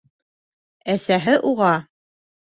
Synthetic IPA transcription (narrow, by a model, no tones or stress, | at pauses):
æsæɦɘʔuʁɑ